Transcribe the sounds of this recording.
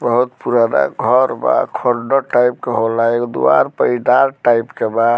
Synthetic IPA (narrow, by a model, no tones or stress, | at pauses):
bəɦut̪puɾana̰ɡʱɔɾba̰kʰɔɾɖoʈajpkeɦolaekd̪ṵa̰ɾpəid̪aɾʈaipkebad̪